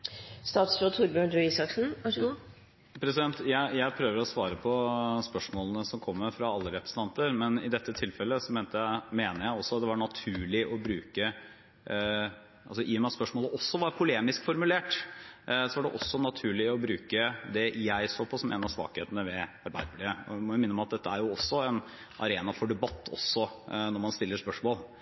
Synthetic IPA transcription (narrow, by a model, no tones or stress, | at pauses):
st̪ɑːt̪sfɾot̪ʰʊɾbʉnd̪ɾʉɪsɑksn̩ | pʰɾɛsɪd̪ɛnt̪jæɪjæɪpʰɾøːʋəɾɔsʋɑːɾəpʰɔspœʂmoːlənəsɔmkʰɔmːəfɾɑɑlːəɾɛpɾəsən̩t̪ɑnt̪əɾmɛnɪd̪ɛt̪ːət̪ʰɪlfɛlːəsɔmeːnt̪əjæɪmeːnəɾjæɪɔsːɔt̪d̪ɛʋɑɳɑt̪ʰʉːɭɪʔɔbɾʉːkə | ʔɑlsɔʔɪːɔmæspœʂmoːləʔɔsːɔʋɑɾpʰʊleːmɪskfɔɾmʉleːʈ | sɔʋɑɖɛʔɔsːɔnɑt̪ʰʉːɭɪɔbɾʉːkəd̪ɛjæɪsoːpʰɔsɔmːḛːnɑsʋɑ̰ːkheːt̪ənəʋɛɑɾbæɪd̪əbliːəɔ̰mɔʋɪmɪnːəmɑt̪̚d̪ɛt̪ːəæɾjʊɔsːɔɛn | ʔɑ̰ɾeːnɑfɔɖɛbɑt̪ːɔ̰sːɔnɔɾmɑnst̪ɪlːəʂpœʂmoːl